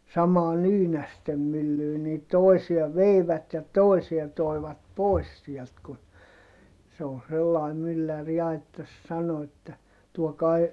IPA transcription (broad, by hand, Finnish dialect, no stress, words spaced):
sɑmɑː nyːnæstem mylːyː niː toˑisiɑ ʋeiʋæt jɑ toˑisiɑ toiʋɑt pois siɛlt ku se o selːɑi mylːær jɑ etːæ sɑno etːæ tuokɑi̯